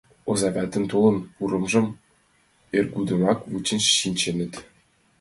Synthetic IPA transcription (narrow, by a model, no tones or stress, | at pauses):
ɤ̆zɑvʲæt̪ʲɘ̆nʲt̪ulˠɤ̆npuɾɤ̆mʐɤ̆m | erʲɡud̪ɤ̆mɑkvut͡ɕɘ̆nɕɕinʲt͡ɕenʲɘ̆t̪ʲ